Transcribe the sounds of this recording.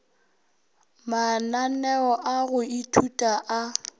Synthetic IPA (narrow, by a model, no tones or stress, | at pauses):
mananɛɔʔaɣʊitʰutʼaʔa